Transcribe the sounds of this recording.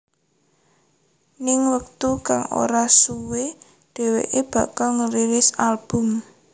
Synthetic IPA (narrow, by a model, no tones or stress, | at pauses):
nɪŋwək̚t̪ukaŋo̰ɾasuwe | ɖ̪̥e̤wḛʔeb̥ä̤kalŋəɾiɾɪsalb̥ʊ̤m